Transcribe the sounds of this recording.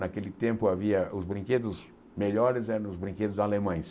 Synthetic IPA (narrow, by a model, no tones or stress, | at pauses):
nakelɪt̪ẽmpʊaviɐʔʊzbɾĩked̪ʊz | meʎɔɾɪzɛɾɐ̃nʊzbɾĩŋked̪ʊzalemɐ̃j̃s